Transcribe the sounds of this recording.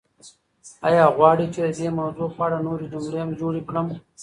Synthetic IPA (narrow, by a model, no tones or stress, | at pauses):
ajɑːɣwɑːɽit͡ʃed̪əd̪emawzopɑːɽanoɾed͡ʒʊmɽeamd͡ʒoɽikɽəm